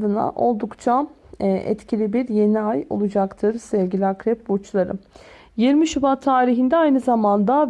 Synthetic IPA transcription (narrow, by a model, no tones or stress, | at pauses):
d̪ɯna̰ʔo̞lˠd̪ukt͡ʃʰaʔɛ̰t̪cʰilʲibiɾje̞niajo̞̰lˠud͡ʒakt̪ʰɯɾsɛvʲɟilʲiakɾɛp̚but͡ʃlˠaɾɯ̰ | jiɾmiʃybat̪ʰːaːɾiɦind̪ɛajnɯzamand̪a